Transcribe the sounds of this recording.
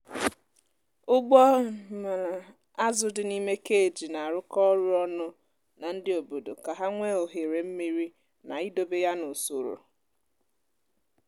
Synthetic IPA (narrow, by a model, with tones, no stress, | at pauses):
ʊ˦ɡ͡bɔ˦m˨ | a˦zʊ˨dɪ˦ni˦me˦ke˦e˨d͡ʒi˨na˨a˨ɾʊ˦kɔ˦ɾʊ˦ɔ˦nʊ˦ | na˨n̩˦dɪ˦o˨bo˨do˨ka˨ɦa˦ŋʷe˦o˨ɦe˨ɾe˨m̩˦mi˦ɾi˦ | na̰˨ɪ˦do˨be˦ja˦nʊ˨so˨ɾʊ̰˨